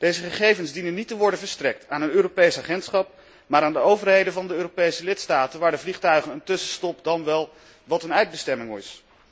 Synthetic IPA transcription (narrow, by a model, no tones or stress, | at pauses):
d̥ejzəχəχejvənzdinənitəʋɔɹdənvəɹstrɛk̚taːnənøːɾopejsaːχɛntsχɑp̚ | maːɾaːndəowvərɦejdənvɑndəøːropejsəlɪtstaːtənʋaːɹdəvliχtœɥχənəntɵsəstɔpdɑnʋɛlˠ | ʋɑtənœɥd̚bəstɛmɪŋɪs